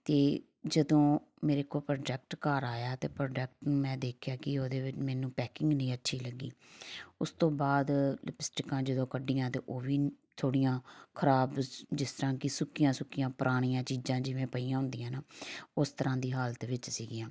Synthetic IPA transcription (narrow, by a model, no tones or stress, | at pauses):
t̪eː | d͡ʒəd̪õː | meːɾeːkoːlpɾoːɖɛk̚ʈkaːɾaːjaːt̪eːpɾoːɖɛːk̚ʈnũːmɛ̃ːd̪eːkʰɪjaːkɪoːd̪eːʋɪt͡ʃmɛːnũːpɛːkɪŋɡnəĩːətːʃʰiːləɡːḭːʊst̪õːbaːd̪lɪpɪsʈɪkãːd͡ʒəd̪õːkəɖɪːãːt̪eːʔoːʋiː | t̪ʰoːɽɪjãːkʰəɾaːbd͡ʒɪst̪əɾãːkɪsʊkɪjãːsʊkːɪjãːpəɾʔaːɽ̃ijãːt͡ʃiːzãːd͡ʒɪʋẽːpəiːãːɦʊ̃nd̪ijãːnaːʊst̪əɾãːd̪iːɦaːlət̪ʋɪt͡ʃsiːɡɪjãː